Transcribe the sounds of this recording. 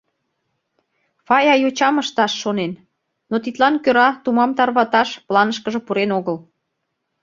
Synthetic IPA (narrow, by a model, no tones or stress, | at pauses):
fɑjɑjot͡ɕɑməʃt̪ɑʃːonen | not̪it̪lɑnkøɾɑt̪umɑmt̪ɑrβɑt̪ɑʃplɑnəʃ̬kə̆ʒə̆puɾenoɣəl